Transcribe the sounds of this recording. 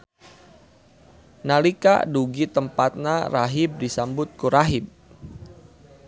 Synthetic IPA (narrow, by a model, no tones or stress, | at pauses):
nalika̰duɡit̪əmpat̪̚naraɦɪb̚disambʊt̪̚kuɾaɦɪb̚